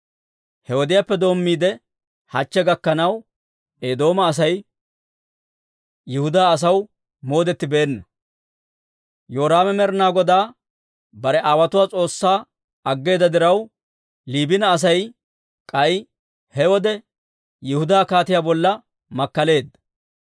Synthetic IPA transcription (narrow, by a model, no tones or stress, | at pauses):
hɛwɔd̪ɪjapːɛd̪o̞ːmːiːd̪ɛ | hɐt͡ʃːɛɡɐkːɐnɐw | eːd̪o̞ːmɐːs̬ɐj | jɪhʊd̪aːɐs̬ɐw | mo̞ːd̪ɛt̪ːɪbe̞ːnːɐ | joːɾaːmɛmɛɾnaːɡɔd̪aː | bɐɾɛʔaːwɐt̪ʊwaːt͡sʼo̞ːsːaː | ɐɡːe̞ːd̪ɐd̪ɪɾɐw | liːbɪnɐːs̬ɐj | kʼɐj | hɛwɔd̪ɛ | jɪhʊd̪aːkaːt̪ɪjaːbɔlːɐ | mɐkːɐle̞ːd̪ːɐ̥